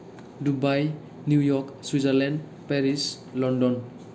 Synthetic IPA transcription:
dubaj | njujɔkswizaɾlɛnd | peɾis | lɔndɔn

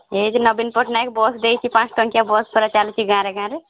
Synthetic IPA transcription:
ɦed͡ʒnəbinpəʈnajkbɔsd̪ejt͡ʃʰipãt͡ʃʈəŋkjabɔspəɾat͡ʃalt͡ʃʰiɡãːɾeɡãːɾe

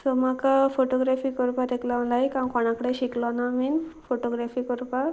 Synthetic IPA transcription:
sɔmakafoʈɔɡɾafiːkɔɾpat̪eklãlajkãnkɔɽ̃ãkəɽeɕiklɔnaminfoʈoɡɾafiːkɔɾpa

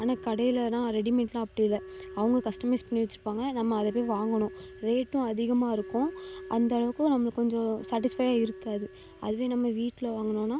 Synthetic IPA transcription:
aːnaːkɐɽɐjɪlɐnãːɾɛɽɪmɛɳʈlãːɐpːɐɽɪɪlːɐɐʋɐŋɡɐkɐsʈɐmɐɪspɐɳːɪʋɐt͡ʃːɯɾɯpːaːŋɡɐnɐmːɐːðɐp̬oːʋaːŋɡɐɳʊ̃ɾeːʈːʊ̃ɐðɪɣɐmaːɪɾɯkːʊ̃ʔɐ̰nd̪ɐɐɭɐʋɯkːʊ̃nɐmːɐɐkːɔɲd͡ʒɔ̃saːʈ̬ːɪsfɐjaːɪɾɯkːaːðɯ | ɐ̰ðɯʋeːnɐmːɐʋiːʈːɪlɐʋaːŋɡɐɳʊ̃nãː

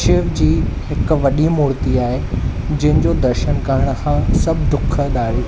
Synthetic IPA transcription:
ʃɪːʋd͡ʑiːɦɪk̆ʋɐɗimuːɾt̪iaːɦed͡ʑɐ̃ɦɪ̃d͡ʑoːd̪ɐɾʃənkaɦəɽ̃̆xãsɐbʱd̪ʊkʰə̆ɗ̪aːɾiː

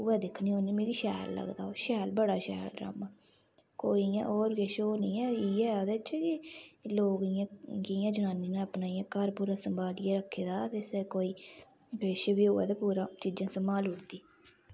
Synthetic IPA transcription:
ʊʋɛːd̪ɪkʰniːoːnĩːmeːɾiːʃɛːlːə̰ɡd̪a̰ːoːʃɛːlbəɽaːʃɛ̰ːlɖɾə̰maː | koːijã̰ːʔoːɾɡeːʃoːnĩːɛːiːɛːoːd̪eːt͡ʃʰɛkiloːɡɪjãːɡɪjãːd͡ʒənaːniːnãːəpnaːiãːkəɾpuːɾaːsəmbaːlɪjãːɾəkʰːeːd̪aːt̪eːsəɾkoːiː | peːʃʋiːʊːɛ̰ːd̪apuːɾãːt͡ʃiːd͡ʒãːsəmaːlʊɽd̪iː

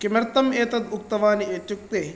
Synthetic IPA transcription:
kimɐɾt̪ɐmɛːt̪ɐd̪uk̚t̪ɐʋaːniʔet̪juk̚t̪eː

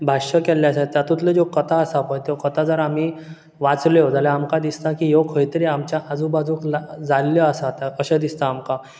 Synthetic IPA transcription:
bʱaɕəkɛlːjasat̪jat̪ũt̪led͡zokət̪ʰaəsapəjt̪ekət̪ʰad͡zəɾam̤i | ʋat͡sleod͡zaljaamkãd̪ist̪akijokʰəjt̪ɾeamt͡ɕjaʔad͡zubad͡zʱũːklad͡zaljəəsat̪akəɕẽd̪ist̪aːmka

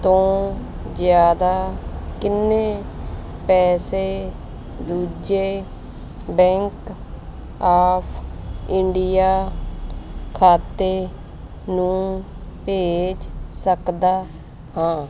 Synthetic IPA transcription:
t̪õː | zjaːd̪aːkɪnːeː | pɛːseː | d̪uːd͡ʒeː | bɛ̃ŋk | aːpʰɪ̃ɳɖijaː | kʰaːt̪eː | nũː | peːd͡ʒsəkd̪aː | hãː

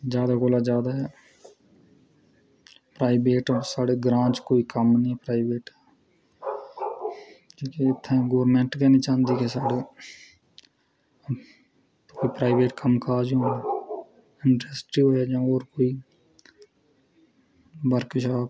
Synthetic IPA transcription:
zjaːd̪aːkoːlad͡ʒjaːd̪aːɦɛ | pɾaːɪbeːʈːsaːɽeːɡɾãːt͡ʃkoːiːkəmnĩːpɾaːɪbeːʈː | iːkeɪt̪ʰːẽːɡoːɾmẽːɳʈkɛːniːt͡ʃãːnd̪iːkesaːɖeː | koːipɾaːɪʋeːʈkəmkaːd͡ʒõː | ɪɳʈɾesʈiːoːɦɛd͡ʒãːoːɾkoːiː | bəɾkʃaː

